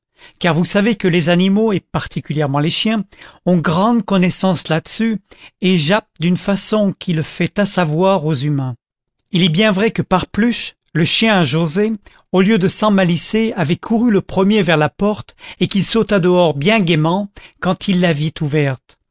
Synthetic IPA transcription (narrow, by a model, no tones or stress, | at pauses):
kaʁvusavekəlezanimoepaʁt̪ʰikʲyljɛʁmɑ̃leʃjɛ̃ɔ̃ɡʁɑ̃d̪kɔnɛsɑ̃slad̪əsyeʒap̚d̪ynfasɔ̃kʰʲiləfɛt̪asavwaʁozymɛ̃ | ilɛbjɛ̃vʁɛkəpaʁplyʃ | ləʃjɛ̃ʒoze | oljød̪əsɑ̃maliseavɛkʰuʁyləpχəmjevɛʁlapɔʁt̪ekilsot̪ad̪əɔʁbjɛ̃ɡemɑ̃kɑ̃t̪ʰilːavit̪uvɛʁt̪